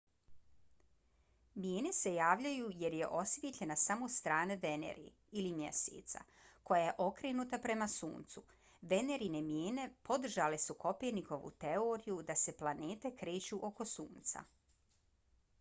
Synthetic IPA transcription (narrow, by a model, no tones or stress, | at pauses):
mjeːne̞se̞jaːʋʎajuːje̞ɾje̞ʔo̞sʋʲjet̪ʎe̞nasamo̞st̪ɾaːne̞ʋe̞nḛɾḭ | ilimjḛsḛːt̪sa̰ | ko̞jaje̞ʔo̞kɾeːnut̪apɾe̞masṵːnt̪su | ʋe̞ne̞ɾine̞mjeːne̞po̞d̪r̩ʒale̞suko̞peɾniko̞ʋṵt̪e̞oːɾijud̪ase̞plˠaneːt̪e̞kɾe̞ːt͡ɕuʔo̞ko̞suːnt̪sa̰